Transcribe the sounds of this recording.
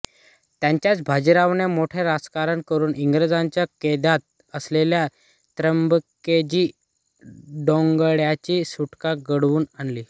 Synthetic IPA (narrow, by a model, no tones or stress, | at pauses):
t̪jaɲt͡ɕjat͡sbʱad͡ʑiɾaʋnemoʈʰeɾad͡zkaɾəɳkəɾuːniŋɡɾəd͡zaɲt͡ɕjaked̪at̪̚ | əslelja | t̪ɾəmbked͡ʑiː | ɖoŋɡəɽjat͡ɕiːsuʈkaɡəɽʋuːnanliː